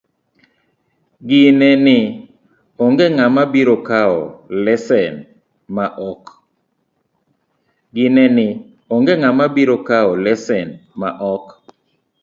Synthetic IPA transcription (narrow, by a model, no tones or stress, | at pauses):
ɡɪnenɪ | ɔŋɡeŋamabiɾokaɔlɛsɛn | maʔɔk | ɡɪnɛnɪ | ɔŋɡeŋamabiɾokaɔlɛsɛnma̰ʔɔk